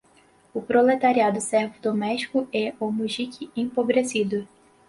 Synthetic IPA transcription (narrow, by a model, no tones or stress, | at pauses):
ʊpɾolet̪aɾiad̪ʊsɛɾvʊd̪omɛʃt͡ʃi̥kʊɛomuʒikʰɪẽpobɾesid̪ʊ